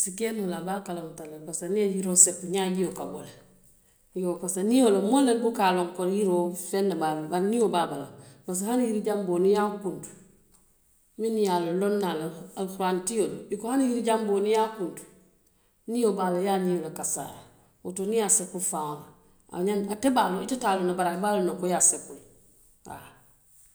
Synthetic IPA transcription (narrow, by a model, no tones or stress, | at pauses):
sikenolabakalamutalabasaniajiɾosepuɲaːɟijokabo̰le | iɡokasanijolomolenbukaloŋkoɾjiɾoːfenːabalbaɾniobabalabas̬hanhiɾiɟambonijakuntu̥ | minijalolonːalaalxuɾantioloikohanjiɾiɟambonijakuntu̥ | nijobalajanijolakasa̰ja̰ | wutonijasekufaŋ | a̰ɲanatebaloitatalonabaɾabalonoŋkojasekul | a̰